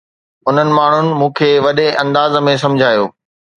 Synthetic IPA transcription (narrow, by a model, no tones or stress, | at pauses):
ʊn̤ənɪ̆maːɳ̤ʊnɪ̆mũːkʰeːʋɐɗeʔɐ̃nd̪aːzmẽs̬ɐ̃md͡ʑʱaːjo̰ː